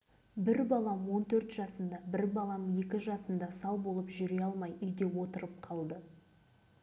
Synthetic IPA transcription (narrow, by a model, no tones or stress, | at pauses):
bɪɾbɑlˠɑmwo̞nt̪ʰɵɾt̪ʒɑsənd̪ɑbɪɾbɑlˠɑmje̞kʲɪʒɑsənd̪ɑsɑlˠbo̞lˠəpʒʏɾeɑlˠmɑjʏjd̪e̞wo̞t̪əɾəp̚qʰɑlˠd̪ə